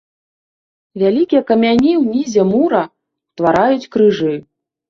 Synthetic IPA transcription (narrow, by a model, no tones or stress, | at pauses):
vʲalʲikʲijɛkɐmʲanʲiwnʲizʲɛmuɾɐ | t̪vaɾajut͡sʲkɾɨʐɨ